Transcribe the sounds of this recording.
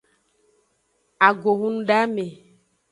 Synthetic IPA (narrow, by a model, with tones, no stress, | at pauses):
a˨ɡo˨ɦũ˦n˦ɖa˦me˨